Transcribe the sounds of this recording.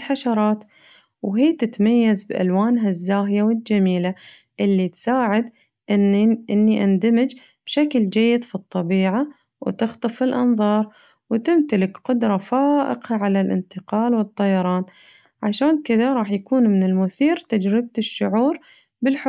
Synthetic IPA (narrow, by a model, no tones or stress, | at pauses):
ħaʃɑɾˤɑːt̪ | wɦiːt̪ɪt̪majːazbʔa̰lwaːnɦazːaːɦjawɪld͡ʒamiːla | ʔɪlːit̪saːʕɪd̪ | ʔʔɪnːiʔand̪amɪd͡ʒ | b̥ʃakld͡ʒajːɪd̪fit̪ˤːɑbiːʕa | wt̪ɪxt̪ˤɨfɪlʔɑ̰nðˤɑːɾˤ | wt̪ɪmt̪alɪkqʊd̪ɾˤɑfaːʔɪ̰qaʕalalʔɪ̰nt̪ɪqɑːlwɨt̪ˤːɑjɑɾˤɑːn | ʕaʃaːnkɪðaɾˤɑːħjakuːnmɪnɪlmʊθiːɾt̪ad͡ʒɾɪb̚t̪ɪʃːʊʕuːɾ | bɪlħ